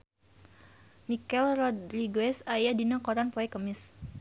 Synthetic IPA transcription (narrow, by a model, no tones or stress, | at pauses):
mikɛlrɔdliɡɛsajadinakɔɾanpɔɛkəmɪs